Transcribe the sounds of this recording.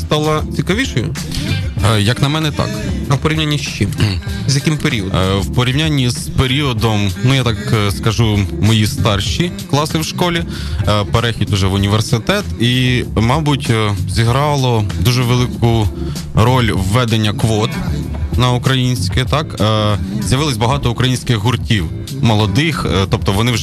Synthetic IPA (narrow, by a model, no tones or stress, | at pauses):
st̪ɑlˠɐt͡sʲikɐʋʲiʃɔjʊ | jɐknɐmɛnɛt̪ɑ̰kɐwpɔɾʲiʋnʲanʲːiʃt͡ʃɪmzʲjɐkʲɪmpeɾʲiɔd̪wpɔɾʲiwnʲanʲːiz̥peɾʲiɔd̪ɔmnujat̪ɑkskɐʒumɔjist̪ɑrʃʲi | klˠɑsɪwʃkɔlʲi | peɾɛxʲid̪uʒɛʋʊnʲiʋersɪt̪ɛt̪imɑbʊtʲzʲiɦɾɑlˠɔd̪uʒɛʋelˠɪkʊ | ɾɔlʲʋːɛd̪enʲːɐkʋɔt̪ | nɐukɾɐjinʲsʲkɪt̪ɑkː | zʲjɐʋɪlˠɔsʲbɐɦɑt̪ɔukɾɐjinʲsʲkɪxɦurtʲiw | mɔlˠɔd̪ɪxt̪ɔp̚t̪ɔʋɔnɪw